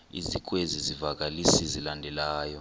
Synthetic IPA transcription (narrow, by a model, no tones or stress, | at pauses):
ḭzik̬ʼwezizivak̬alisizilandʱɛlaːjɔ